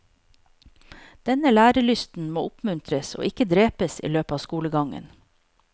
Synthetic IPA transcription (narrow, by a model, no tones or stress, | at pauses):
d̪̥ɛnəlæːɾəɭʏst̪n̩moːʊpmʉnt̪ʰɾəso̰ːʔɪkəd̪ɾeːpəsḭːløːpəɑːʋskuːləɡɑŋə̰n